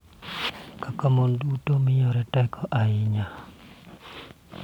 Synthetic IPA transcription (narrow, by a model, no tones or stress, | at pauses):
kakamondutomɪjɔɾɛtɛkʰɔʔaɪɲa